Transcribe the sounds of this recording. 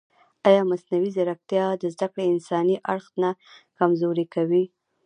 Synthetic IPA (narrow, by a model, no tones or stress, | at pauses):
ɑjɑmasnawizaɾak̚t̪jɑd̪əzd̪akɽeɪnsɑniʔaɽxnakamzoɾikawi